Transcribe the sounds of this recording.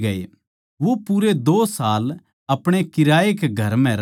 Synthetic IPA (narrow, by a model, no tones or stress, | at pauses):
ɡɐḛ | ʋopuɾed̪oːsaːl | ɐpɽ̃ekɪɾaːekeɡʱɐɾmɛ̃ɾ